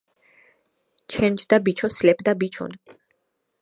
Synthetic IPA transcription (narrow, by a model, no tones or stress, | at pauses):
t͡ʃʰɛ̃nd͡ʒd̪abit͡ʃʰɔslɛpʰd̪abit͡ʃʰɔ̰n